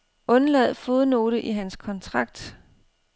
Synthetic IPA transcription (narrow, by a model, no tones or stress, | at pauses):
ʔɔ̽nlɛð̞̰ˠfo̝ːð̞ˠno̝ːɾ̥əʔiɦænskʰɒ̽nt͡sʰʁɑ̈ɡ̥̚d̥